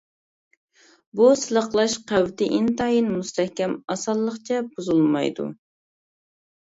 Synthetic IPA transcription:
busɨlˠəχqlˠɑʃqʰæwt̪ɪʔint̪ɑjinmust̪ʰɛhkʲɛmɑsɑlˠːəχt͡ʃʰɛbuzulˠmɑ̰jd̪ṵ

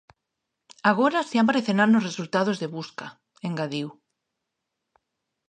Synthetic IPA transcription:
aɣ̞oɾaseampaɾeθenaɾnozresult̪að̞ozðeβuska | eŋɡaðiw

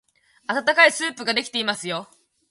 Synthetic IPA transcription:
at̪at̪akaisɨːpɯ̟ɡad̪e̞kʲi̥t̪e̞imasɨjo̞

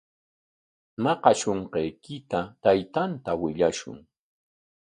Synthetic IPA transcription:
nɑqɑʃoɴqejkɪt̪at̪ajt̪ant̪awɪʎaʃʊ̰ŋ

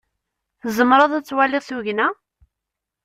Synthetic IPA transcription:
θzˤəmɾˤɑðˤæt͡sːwælɪʁθuʝnæ

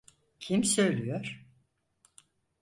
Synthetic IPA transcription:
cʰimsøjlʲyjoɾ̥

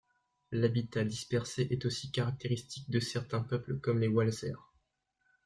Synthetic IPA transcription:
labit̪ad̪ispɛʁseʔɛt̪osikaʁak̚t̪eʁist̪ik̚d̪əsɛʁt̪ɛ̃pœpləkɔmlewalzɛ̰ʁ

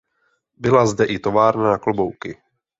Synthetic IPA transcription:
bɪlazdɛʔɪt̪o̞vaːɾnanaklobo̞wkɪ

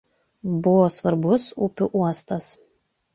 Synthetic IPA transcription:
bʊʋoːsʋɐɾbʊsupʲʊʔuɔst̪ɐs

